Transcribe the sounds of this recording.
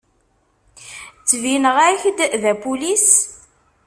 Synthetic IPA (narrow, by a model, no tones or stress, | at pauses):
t͡sːvinəʁæçd̪ðæpulis